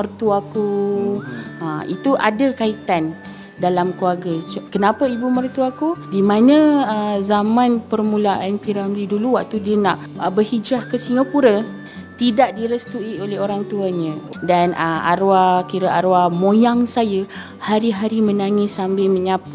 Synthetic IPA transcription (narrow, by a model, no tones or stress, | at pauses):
ərt̪uaku | ait̪uʔadakait̪an | dalamkluaɡət͡ʃkənapəibumərt̪uakudimãnə̃əzamãnpərmulaʔanpiɾamdiduluwaʔ̚t̪udiənaʔbərhid͡ʒɾahkəsiŋapuɾə | t̪idaʔdiɾəst̪uiʔolɛɦoɾaŋt̪uaɲə̃ | danəa̰ɾuakiɾaʔaɾwamõjaŋsajə | haɾiɦaɾimənaŋɪsambɪlmə̃ɲap